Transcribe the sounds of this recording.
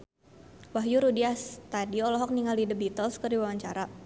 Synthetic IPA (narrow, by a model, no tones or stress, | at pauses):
waɦjuɾudiast̪adiɔlɔɦɔk̚niŋaldidəbit̪əlskərdiwawaɲt͡ʃaɾa